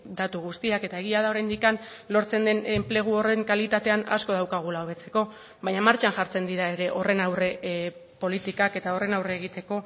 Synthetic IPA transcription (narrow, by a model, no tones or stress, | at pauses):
d̪at̪uɣ̞ust̪iake̞t̪ae̞ɣ̞iaðao̞ɾajnd̪ikan | lo̞ɾt͡se̞nd̪e̞nemple̞ɣ̞uo̞re̞ŋkalit̪at̪e̞ana̰sko̞ð̞awkaɣ̞ulaoβ̞e̞t͡se̞ko̞ | βajɲamaɾt͡ʃanʝaɾt͡se̞nd̪iɾae̞ɾe̞ʔo̞re̞nawre̞po̞lit̪ikake̞t̪ao̞re̞nawre̞ːɣ̞it̪e̞ko̞